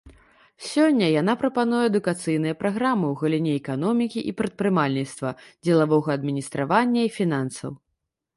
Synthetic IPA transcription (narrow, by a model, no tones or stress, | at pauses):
sʲɔnʲːɐjan̪apɾɐpan̪ujɛɛd̪ukat̪sɨjnɨjɐpɾʔaɣɾamɨwɣɐlʲinʲɛɛkanɔmʲikʲiʔipɾɐt̪̚pɾɨmalʲnʲit̪st̪vɐd͡zʲɛlˠavɔɣɐːd̪mʲinʲist̪ɾʔavanʲːɐifʲinansɐ̰w